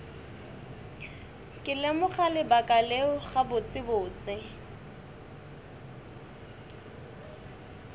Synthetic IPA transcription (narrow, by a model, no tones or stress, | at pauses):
kʼɪlemʊχalɪbakʼaleʊχabʊt͡sʼɪbʊːt͡sʼɪ